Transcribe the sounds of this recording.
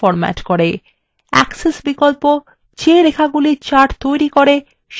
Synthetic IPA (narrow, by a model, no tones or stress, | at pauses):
ɔɾmɛ̰ʈkoɾe | ɛ̰ksesbikolpo | t͡ɕeɾekʰaɡuliɾt͡ɕaɾʈt̪ojɾikoɾe | ʃ